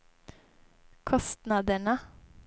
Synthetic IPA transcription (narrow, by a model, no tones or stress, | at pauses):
kʰɔst̪nɑd̪əɳə